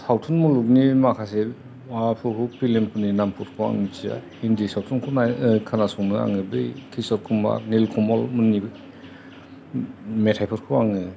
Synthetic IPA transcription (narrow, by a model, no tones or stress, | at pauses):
sʰawtʰunmuluk̚nimakʰase | wapʰukupilempʰuninampʰɔtkʰɯwa̰ŋit͡ʃia̰ | indisawtʰunkʰɔnakʰanasɔŋnɯa̰ŋɯbɯjkʰisɔɾ̚kʰumba̰nilkʰɔmɔlmɯnːi | metʰajpʰɔɾ̚kʰɯwaŋɯ